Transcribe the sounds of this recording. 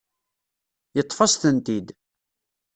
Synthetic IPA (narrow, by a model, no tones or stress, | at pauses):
jət̪ˤːfɑsθənt̪id̪